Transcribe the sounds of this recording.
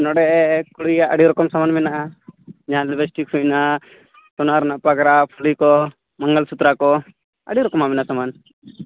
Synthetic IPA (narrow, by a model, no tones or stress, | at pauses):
nɔɽɛkuɽijaʔəɽiɾɔkɔmsamanmɛnaʔad͡ʒaɦãlɛbɛsʈikʰujna | sɔnaaɾnaʔpaɡɾapʰulikɔ | maŋɡəlsut̪ɾakɔ | ə̰ɽiɾɔkɔmamɛnasaman